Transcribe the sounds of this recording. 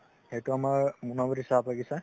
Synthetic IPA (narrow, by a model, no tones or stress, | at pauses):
hejtuamaɹmunɔbɔɾisapaɡisa